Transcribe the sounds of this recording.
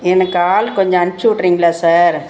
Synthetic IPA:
ɛnɐkːaːlkɔɲd͡ʒõɐɳt͡ʃːuʋɪʈːɾiːŋɡɐlaːsaːɾ

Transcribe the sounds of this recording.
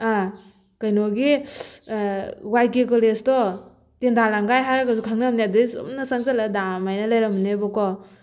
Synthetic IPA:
a | kajnɔɡi | wajkikɔlestɔ | tendalaŋɡajɦaɾaɡasukʰaŋnamniadɯisṵmnasaŋsaladamajnalajɾamnebɔkɔ

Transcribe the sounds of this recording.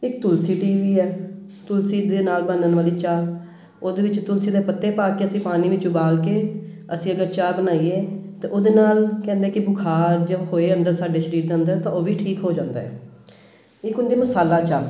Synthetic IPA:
ɪkt̪ʊlsiːʈiːʋiːɛː | t̪ʊlsiːd̪eːnaːlbənd̪ənʋaːliːt͡ʃaː | oːd̪eːʋɪt͡ʃt̪ʊlsiːd̪eːpət̪ːeːpaːkeːəsĩːpaːnĩːʋiːt͡ʃʊbaːlkeː | əsĩːəɡəɾt͡ʃaːbənaːieːt̪eːʔoːd̪eːnaːlkɛ̃ːnd̪eɛːkɪbʊkʰaːɾd͡ʒəʋɦoːeːənd̪əɾsaːɖeːʃəɾiːɾd̪eːə̃nd̪əɾt̪ãːoːʋiːʈʰiːkɦoːd͡ʒãːnd̪aːɛ̰ː | ɪkʊnd̪iːməsaːlaːt͡ʃaː

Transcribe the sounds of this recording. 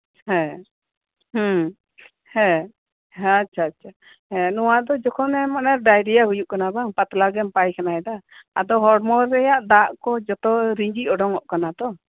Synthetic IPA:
hɛ̃ | h | hɛ̃ | ɦatːt͡ʃʰaːtːt͡ʃʰa | ɛ̃nɔwad̪ɔd͡ʒɔkʰɔnɛmanaɾɖajɖijaɦujuʔkanabaŋpat̪laɡɛmpajkanaɛd̪aa̰d̪ɔɦɔɽmɔɾːɛjaʔd̪aʔkɔd͡ʒɔt̪ɔɾiɲd͡ʒiʔɔɖɔŋɔʔkanad̪ɔ

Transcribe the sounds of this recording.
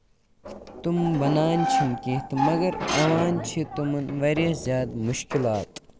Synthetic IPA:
t̪umbɐnaːnt͡ʃʰimkit̪mɐɡɐɾɐʋaːnt͡ʃʰit̪umɐnʋɐɾjɐzʲjaːd̪muʃkilaːt̪

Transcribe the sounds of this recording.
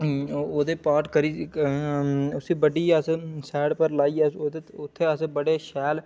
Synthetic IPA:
oːd̪eːpaːɾʈkəɾiː | ʊsiːbəɖiːəsesɛːɽpəɾlaːiːoːd̪eʊt̪ʰːeːəseːbəɽeːʃɛːl

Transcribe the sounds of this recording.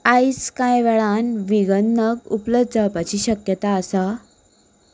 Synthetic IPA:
ajskajʋɛɭanʋiɡənːəkupləd̪̚d͡zapat͡ɕiːɕəkjət̪aəsa

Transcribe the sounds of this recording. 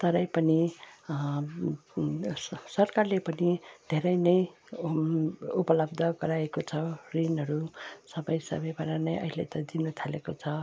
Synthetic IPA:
t̪ʌɾʌjpʌni | sʌrkarlepʌnid̪ʱeɾʌjnʌj | upʌlʌbd̪ʱʌɡʌɾaekot͡sʰʌrinɦʌɾusʌbʌjsʌ̰bʌjbaɾanʌjʔʌ̰ɦilḛt̪ʌdinut̪ʰalekot͡sʰʌ

